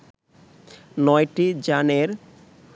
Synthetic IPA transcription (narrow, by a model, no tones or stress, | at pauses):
nɔjʈid͡ʑaneɾ